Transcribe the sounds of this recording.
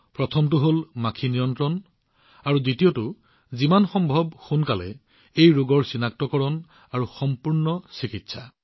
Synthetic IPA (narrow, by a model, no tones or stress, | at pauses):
pɹɔtʰɔmtʊɦolmakʰinijɔntɹɔn | aɹuditijotʊ | zimanxɔmbʱɔbxunkalɛ̰ | ejɹoɡɔɹsinak̚tɔkɔɹɔn | aɹuxɔmpuɹnɔsikitsʰa